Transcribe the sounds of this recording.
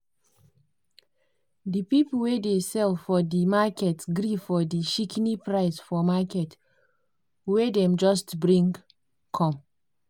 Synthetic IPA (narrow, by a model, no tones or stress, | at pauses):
dipipl̩ˠwedesɛlfɔdimakɛtsɡɾifɔdiʃiknipɹaɪsfɔmakɛt | wedɛ̃md͡ʒɔstbɹĩŋ | kʰɔ̃m